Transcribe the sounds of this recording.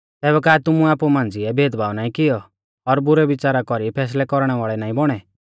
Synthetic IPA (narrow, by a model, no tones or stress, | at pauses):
t̪ɛːbɛkaːt̪ʊmũaːpumãːnd͡ziɛbʱeːd̪bʱaːʋnaːĩkɪjɔ | ɔɾbʊɾɛʋɪt͡ʃaːɾakɔɾipʰɛːs̬lɛkɔɾɽ̃ɛʋaːɭɛnaːĩbɔɽ̃ɛ